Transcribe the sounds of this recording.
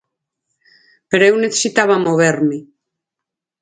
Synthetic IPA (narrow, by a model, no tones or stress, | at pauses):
peɾoewneθe̥sit̪aβamoβ̞eɾme